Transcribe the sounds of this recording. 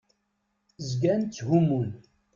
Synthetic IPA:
zɡænt͡sːhumun

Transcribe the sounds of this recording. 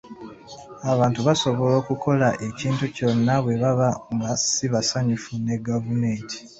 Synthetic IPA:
aβaːntuβaso̞βo̞lo̞ːkukʰo̞laʔe̞ciːntuco̞nːaβwe̞βaβaŋɡasiβasaɲufune̞ɡavume̞ːntʰi̥

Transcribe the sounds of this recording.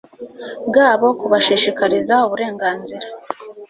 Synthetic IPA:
ɡaːβo̞kuβaʃiʃikaɾizauβuɾe̞ːŋɡaːnziɾa

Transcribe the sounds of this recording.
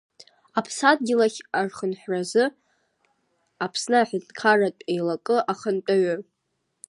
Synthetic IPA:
apʰsad̚ɡʲɪlaχʲarχənħʷᶣrazɨ | apʰsnɨaħɪdkʰaratʷʼejlakʼɨʔaχəntʼaɥɨr

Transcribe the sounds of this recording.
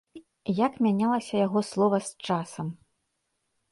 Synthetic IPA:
jakmʲanʲalˠɐsʲɐjaɣɔslˠɔvɐst͡ʂasɐm

